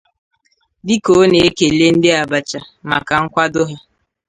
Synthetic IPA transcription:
di˦ko˨˦ne˨e˦ke˨le˦n̩˦dɪ˦a˨ba˨t͡ʃa˨ma˨ka˨ŋ̩˦kʷa˦dʊ˦ɦɪ˦

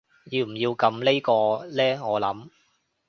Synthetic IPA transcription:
jiː˧wm̩˨˩jiː˧wkɐ˧mle˥jkɔː˧lɛː˥ŋɔː˨˧lɐ˨˥m

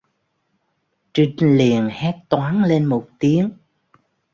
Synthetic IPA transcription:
t͡ɕï˧ŋli˨˩ənhɛ˦˥t̚t̪waː˨˦nle˧nmo˨˩t̚t̪i˨˦əŋ

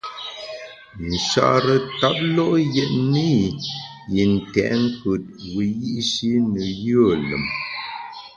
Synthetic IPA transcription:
n̩˨ʃa̰˦ʔɾə˦ta˦p̚lɔ˦ʔjɛ˦˨ʔni˦ | ji˨n̩˨tɛ̰˨ʔŋ̩˦kə˨t̚wi˨ji˦ʔʃi˦nə˨jə˦˨lə̰˨m

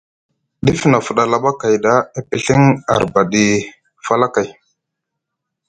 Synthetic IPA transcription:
ɗi˦fna˨fu˨ɗa˨la˨ɓa˦ka˨jda˦e˦pi˦ɬi˦ŋa̰˨ɾba˨ɗi˨ | fa˦la˦ka˨j

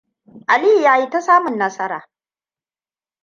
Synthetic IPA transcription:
ʔa˨li˦˨jaː˦ji˦ta˦saː˦mʊ˨nːɐ˦sɐ˦ɾa̰ː˨

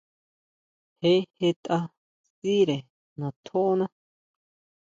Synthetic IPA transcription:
he˦he˦t̪ʼa˦ | si˦ɾe˨ | nã˨t̪ʰo˦nã˦

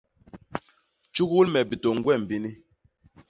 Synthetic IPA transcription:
t͡ʃu˦ɣu˦lmɛ˨bi˨to˨ŋ̩˦ɡwɛ˦˨m̩˨bi˦ni˦

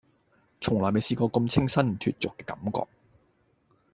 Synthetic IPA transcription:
t͡ʃʰʊ˨˩ŋlɔː˨˩jme˨jsiː˧kɔː˧kɐ˧mt͡sʰɪ˥ŋsɐ˥nm̩˨˩t̪ʰy̰ː˧t̚t͡sʊ˨kːɛː˧kɐ˨˦mkɔ̰ː˧k̚

